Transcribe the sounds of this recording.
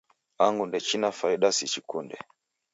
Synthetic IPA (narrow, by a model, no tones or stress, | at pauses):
aŋɡundɛt͡ʃinafaiɗasit͡ʃikundɛ